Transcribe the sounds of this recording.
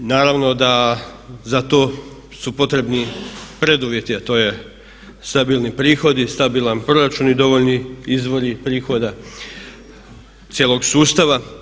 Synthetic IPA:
naːɾaʋno̞d̪a | zat̪o̞ | supo̞t̪ɾe̞bnipɾe̞d̪uʋje̞t̪iat̪o̞ːje̞ | st̪abiːlˠnipɾiːxo̞d̪ist̪abiːlˠanpɾo̞ɾat͡ʃunid̪o̞ʋo̞ʎniizʋo̞ɾipɾiːxo̞d̪a | t̪sjeːlˠoɡsuːst̪aʋa

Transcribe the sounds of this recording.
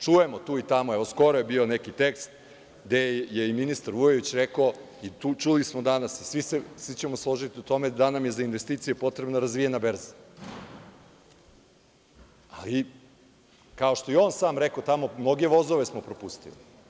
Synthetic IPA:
t͡ʃuje̞mot̪uːit̪amoeʋo̞sko̞ɾojebio̞nekit̪ekst̪ | ɡd̪ejeiminist̪aɾʋujoʋit͡ɕɾekoo | it̪uːt͡ʃulismod̪anasisʋisesʋit͡ɕemoslˠo̞ʒit̪iut̪o̞me̞d̪anamje̞zainʋest̪iːt̪sijepo̞t̪ɾebnaɾazʋijenabeɾza | ali | kaoʃt̪o̞jeo̞ːnsaːmɾekot̪amomno̞ɡe̞ʋo̞zoʋesmopɾopust̪ḭli

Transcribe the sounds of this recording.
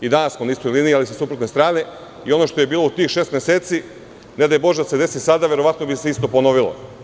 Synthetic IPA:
id̪anassmonismojlinialisesupɾot̪nest̪ɾaːne̞ | io̞no̞ʃt̪o̞jebiːlˠo̞ut̪iːxʃe̞ːst̪mjeseːt̪si | ne̞d̪ajbo̞ʒd̪ase̞d̪e̞sisad̪aʋje̞ɾo̞ʋat̪no̞biseist̪o̞pono̞ʋilˠo̰

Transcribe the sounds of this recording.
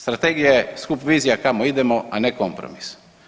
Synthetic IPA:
st̪ɾat̪eɡijaeskupʋiːzijakamoid̪emo̞aneko̞mpɾo̰mis

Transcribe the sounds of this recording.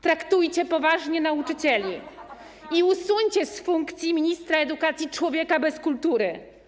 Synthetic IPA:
t̪ɾakt̪ujt͡ɕɛpɔvaʐɲɛnaut͡ʂɘt͡ɕɛlʲi | iusuɲt͡ɕɛsfuŋkt̪sʲjimʲiɲist̪ɾaɛd̪ukat̪sʲjit͡ʂwɔvʲjɛkabɛskult̪uɾɘ

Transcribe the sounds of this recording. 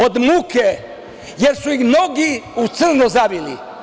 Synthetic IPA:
od̪muke | jeɾsuixmno̞ɡiut̪sɨr̩nuzabilḭ

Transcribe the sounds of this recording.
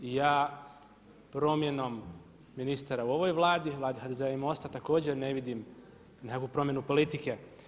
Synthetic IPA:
ijaː | pɾo̞mje̞no̞mː | inist̪aɾauo̞ʋo̞jʋlˠaːd̪iʋlˠaːd̪ihad̪ezeaimo̞st̪at̪ako̞ːd͡ʑeɾne̞ʋid̪im | nekakupɾo̞mje̞nupo̞lit̪ike̞

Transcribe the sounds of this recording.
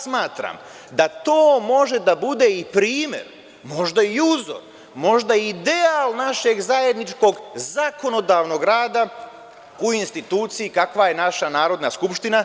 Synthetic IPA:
smaːt̪ɾa̰m | d̪at̪o̞ːmo̞ʒe̞d̪abud̪eipɾiːmje̞̰ɾ | mo̞ʒd̪aiuzo̰ɾ | mo̞ʒd̪aid̪e̞alˠnaʃe̞ɡzaje̞d̪nit͡ʃko̞ɡzako̞no̞d̪aːʋno̞ɡɾaːd̪a | uinst̪it̪uːt̪sijikakʋaje̞naʃanaːɾo̞d̪naskupʃt̪ina

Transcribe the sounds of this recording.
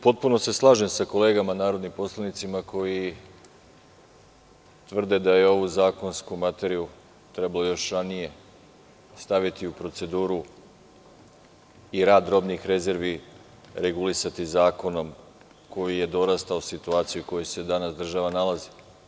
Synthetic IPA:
po̞t̪̚puno̞se̞slˠaːʒe̞msako̞le̞ːɡamanaːɾo̞d̪nimpo̞slanit̪simako̞ji | t̪ʋr̩d̪e̞d̪ajeo̞ʋuzaːko̞nskumat̪e̞ɾiju | t̪ɾe̞balo̞jo̞ʃɾanije̞ | st̪aʋit̪iupɾo̞t̪se̞d̪uːɾu | iɾaːd̪ɾo̞bnixɾe̞ze̞ɾʋi | ɾe̞ɡulisat̪izaːko̞no̞m | ko̞jije̞d̪o̞ɾast̪aosit̪uaːt̪sijuko̞jose̞d̪anasd̪r̩ʒaʋanalazi̥

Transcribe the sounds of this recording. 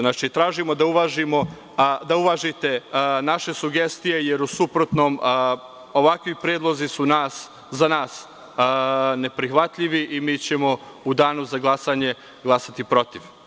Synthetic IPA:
nat͡ʃit̪ɾaːʒimo̞d̪auʋaʒimo̞ | d̪auʋaːʒit̪e̞naʃe̞suɡe̞st̪ije̞je̞ɾusupɾot̪no̞ːm | o̞ʋakʋipɾeːd̪lˠo̞zisunaːs | zanaːs | ne̞pɾixʋat̪ʎiʋiʔimiːt͡ɕe̞mo̞ | ud̪aːnuzaɡlˠasaːɲe̞ | ɡlˠasat̪ipɾo̞t̪iʋ

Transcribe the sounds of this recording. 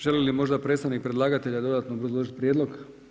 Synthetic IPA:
ʒ̥elelimo̞ʒd̪apɾet̪st̪aʋnik̚pɾed̪laːɡat̪e̞ʎad̪o̞d̪at̪noobɾazlˠoʒit̪̚pɾʲjed̪lˠo̞ɡ

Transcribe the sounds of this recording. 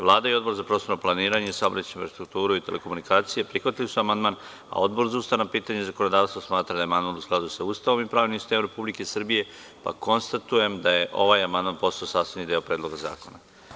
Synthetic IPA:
ʋlˠaːd̪aio̞d̪bo̞ɾzapɾo̞ːst̪onoplˠaniːɾaɲeisaobɾat͡ɕiɱfɾast̪ɾuk̚t̪uːɾuit̪e̞lʔe̞ko̞munikʰaːt̪sijepɾixʋat̪ilisuamand̪man | a̰o̞d̪bo̞ɾzaust̪anapiːt̪aɲezako̞nod̪aːʋst̪vosmaːt̪ɾad̪ajemand̪manusklad̪usaust̪aʋo̞mipɾaːʋinimsist̪emɾe̞publike̞sr̩bije̞ | pa̰ko̞nst̪at̪uje̞md̪aje̞ʔo̞ʋaːjamand̪manpo̞saosaːst̪anid̪eopɾeːd̪lˠo̞ɡaza̰ːko̞na

